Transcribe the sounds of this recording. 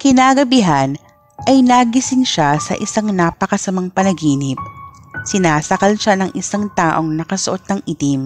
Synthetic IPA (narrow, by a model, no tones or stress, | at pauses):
kɪnaːɡɐbɪɦɐn | ʔɐjnaːɡɪsɪŋʃasɐ̰ʔɪsaŋnaːpɐkɐsɐmaŋpɐnɐɡiːnɪp̚sɪnaːsɐkɐlʃanɐŋʔɪsaŋt̪aːʔo̞ŋnɐkɐsoʔo̞t̪̚nɐŋʔit̪im